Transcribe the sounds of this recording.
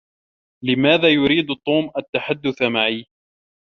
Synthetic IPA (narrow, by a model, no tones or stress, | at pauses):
lɪmaːðaːjʊɾiːd̪t̪ˤːuːmʔat̪ːaħad̪ːʊθmaʕiː